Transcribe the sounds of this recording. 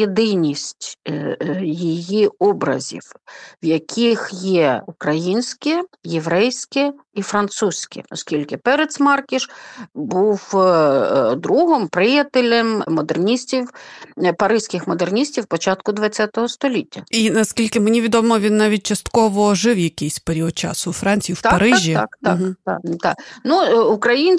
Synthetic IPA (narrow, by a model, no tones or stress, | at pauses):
jed̪ɪnʲisʲtʲ | jijiɔbɾɐ̰zʲḭwwjɐkʲʰixjɛukɾɐjinʲsʲkɪjeʋɾɛjsʲkɪ | ifɾɐnt̪susʲkɪ̰ɔ̰skʲilʲkɪpɛɾet̪smɑrkʲiʃbuw | d̪ɾuɦɔmpɾɪjɐt̪elʲemmɔd̪ernʲisʲtʲiwpɐɾɪsʲkʲɪxmɔd̪ernʲisʲtʲiwpɔt͡ʃɑt̪kʊd̪ʋɐtt͡sʲːat̪ɔɦɔst̪ɔlʲitʲːɐinɐskʲilʲkɪmenʲiʋʲid̪ɔmɔʋʲinːɑʋʲit̚ʲt͡ʃɐst̪kɔʋɔʒɪwjɐkʲɪsʲpeɾʲiɔd̪̚t͡ʃɑ̰sʊfɾɑnʲt͡sʲijiwt̪ɐɾɪʒʲiakt̪ɑ̰kt̪ɑ̰t̪ɑ̰knuʊkɾɐjinʲ